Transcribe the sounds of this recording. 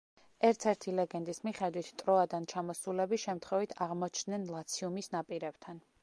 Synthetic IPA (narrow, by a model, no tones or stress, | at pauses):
ɛɾt̪sʰɛɾt̪ʰilɛɡɛnd̪ismiχɛd̪wit̪ʰt̪ʼɾɔad̪ant͡ʃʰamɔsulɛbiʃɛmt̪ʰχwɛvit̪ʰaʁmɔt͡ʃʰd̪nɛnlˠat̪sʰiumisnapʼiɾɛb̥t̪ʰan